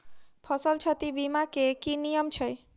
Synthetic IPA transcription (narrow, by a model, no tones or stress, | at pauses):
pʰəsəlt͡ʃʰət̪ibimakekinijəmt͡ʃʰəj